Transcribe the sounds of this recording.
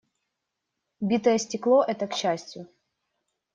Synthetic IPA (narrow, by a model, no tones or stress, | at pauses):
bʲit̪əjəsʲtʲɪklˠoʔɛt̪əkɕːæsʲtʲjʊ